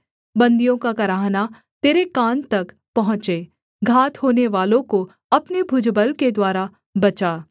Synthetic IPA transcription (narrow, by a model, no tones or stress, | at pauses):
bɐ̃nd̪ijõkakɐɾaːɦna | t̪eːɾekaːnt̪ɐk | pɐɦʊ̃t͡ʃe | ɡʱaːt̪hoːneʋaːlõko | ɐpnebʱʊd͡ʒbəlked̪waːɾa | bɐt͡ʃaː